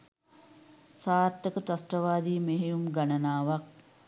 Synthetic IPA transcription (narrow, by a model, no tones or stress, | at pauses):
saːɾt̪əkət̪asʈəʋaːd̪iːmeɦejumɡanənaːʋak̚